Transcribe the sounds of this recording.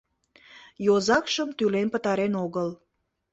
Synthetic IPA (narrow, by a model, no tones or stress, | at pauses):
jozɑkʃəmt̪ylenpət̪ɑɾenoɣəl